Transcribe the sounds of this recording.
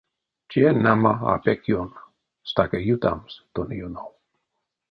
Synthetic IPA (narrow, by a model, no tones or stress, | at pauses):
t͡ʃienamaa̰pekjon | st̪akəjut̪a̰mst̪onijunow